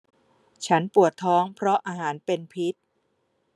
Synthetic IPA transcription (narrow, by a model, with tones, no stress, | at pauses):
t͡ɕʰa˦˥npu˨˩ət̪ʰːɔː˦˥ŋpʰɾɔ˦˥ʔaː˧ɦaː˩˦npe˧npʰi˦˥t̪̚